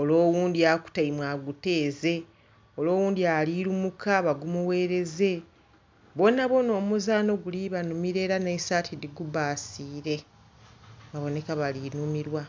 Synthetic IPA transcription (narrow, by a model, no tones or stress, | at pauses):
o̞lo̞ːwuːndiaku̥taimwaɡute̞ːze̞ | o̞lo̞ːwuːndialiɾumukʰaβaɡumuwe̞ːɾe̞ze̞ | βo̞naβo̞no̞ːmuzaːno̞ɡuliβanumiɾe̞ːɾanesaːtʰidiɡubaːsiːɾe̞ | βaβo̞ne̞kaβalinumiɾwa